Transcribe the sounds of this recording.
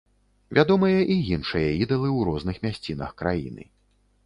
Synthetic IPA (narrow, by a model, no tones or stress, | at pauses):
vʲad̪ɔmɨjɐʔijinʂɨjɐid̪ɐlˠɨwɾɔznɨxmʲasʲt͡sʲinɐ̰xkɾajḭnɨ̰